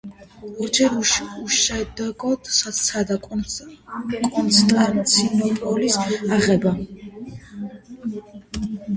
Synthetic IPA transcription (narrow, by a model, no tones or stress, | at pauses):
ɔɾd͡ʒɛɾuʃuʃɛd̪ɛɡɔd̪sasʰad̪a | kʼɔnt̪sʰt̪ʼamt̪sʰinɔpʼɔlisaʁɛba